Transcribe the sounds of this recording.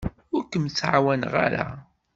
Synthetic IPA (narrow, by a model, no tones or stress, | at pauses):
ʊɾkːəmt͡sːʕawænʁa̰ɾa̰